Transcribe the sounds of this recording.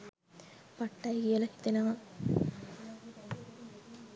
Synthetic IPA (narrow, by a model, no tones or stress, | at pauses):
paʈːajkijəlɐhi̥t̪enɐʋɐ